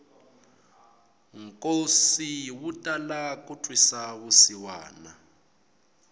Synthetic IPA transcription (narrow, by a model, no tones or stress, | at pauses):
ŋkʼosiwutʼalak̬ʼutʰʼwisaɣusiwa̰ːna